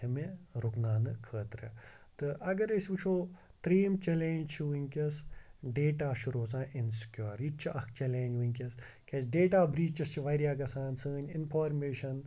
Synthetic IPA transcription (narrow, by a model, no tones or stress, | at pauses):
ɐmeɾuknaːnɨkʰəːt̪ɾɨ̰t̪ɨʔɐɡɐɾɐsʲʋɨt͡ʃʰoːt̪ɾiːmt͡ʃeleːnd͡ʒt͡ʃʰiʋiŋʲkʲɐsɖeːʈaːʃuɾoːzãːʔɪnskʲjoːɾit͡ʃʰiʔɐkt͡ʃɛlẽːnd͡ʒʋiŋkʲɐs | kʲesɖeːʈaːbɾiːt͡ʃɐst͡ʃʰiʋɐɾjaːɡɐsaːnsəːninpʰaːɾmeːʃɐn